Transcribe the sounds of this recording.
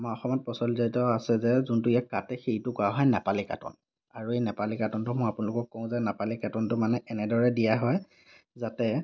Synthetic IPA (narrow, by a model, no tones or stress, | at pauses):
amaɔxɔmɔt̚pɔsɔlzaitɔasɛzɛzuntʊijakːatɛxejtʊkɔaɦɔjnɛpalika̰tɔ̰n | aɹuejnɛpalikatɔntʊmʊapʊnalʊkɔkkõw̃zɛnapalikatɔntʊmanɛʔɛnɛdɔɹɛdijaɦɔj | zatɛ